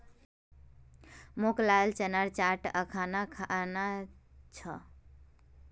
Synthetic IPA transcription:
moklalt͡ʃənaɾt͡ʃaʈəkʰanakʰanat͡ʃʰə

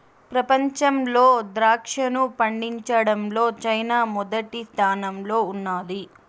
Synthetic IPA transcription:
pɾɐpɐɲt͡ʃɐmlo̞ːd̪ɾaːkʂɐnupɐɳɖiɲt͡ʃɐɽɐmlo̞ːt͡ʃɐjnaːmɔd̪ɐʈist̪ʰaːnɐmlo̞ːunːaːli

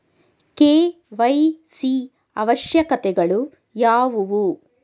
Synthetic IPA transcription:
keː | ʋɐjsi | ɐʋɐʃjɐkɐt̪ɛɡɐɭu | jaːʋuʋu

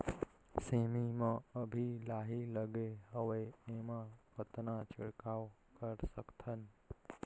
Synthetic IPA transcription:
semimãəbʱilaɦiləɡeɦəʋeemãpət̪nãt͡ʃɪɽkaw | kəɾsəkt̪ʰən

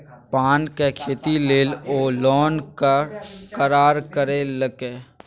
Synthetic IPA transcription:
paːnkekʰeːt̪ileːloːlɔːnkakəɾaːɾkəɾeləɡeː

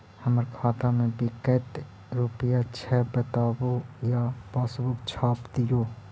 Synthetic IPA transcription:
həməɾkʰaːt̪amẽbɪkət̪ | ɾupɪjat͡ʃʰɛːbət̪aːwojabaːsbʊkt͡ʃʰaːpd̪ɪjoː

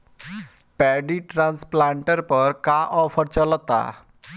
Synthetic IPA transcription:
pɛɖiʈɾãnsplãɳʈəɾpəɾkaʔɔpʰəɾt͡ʃələt̪a̰

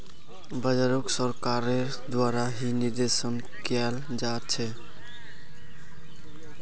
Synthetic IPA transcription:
bəd͡ʒaɾoksəɾkaɾeɾ | d̪waɾaɦiniɾd̪esən | kal | d͡ʒat̪̚t͡ʃʰɛ

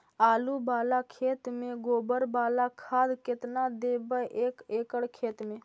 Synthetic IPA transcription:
aːlubaːlakʰeːt̪mẽɡoːbəɾbaːlakʰaːd̪kɪt̪nad̪eːbəʔeːkeːkəɽkʰeːt̪mẽ

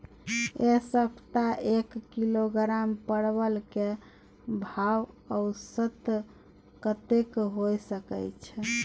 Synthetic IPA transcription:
esəbʱt̪aekːiloɡɾampəɽbəlke | bʱaw | əʊsət̪ | kət̪ekɦojsəkə̰jt͡ʃʰɛ

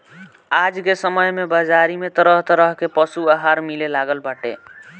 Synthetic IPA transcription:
ad͡ʒkesəməjmebəd͡ʒaɾimet̪əɾəɦt̪əɾəɦkepəsuaɦaɾmilelaɡəlbaʈḛ

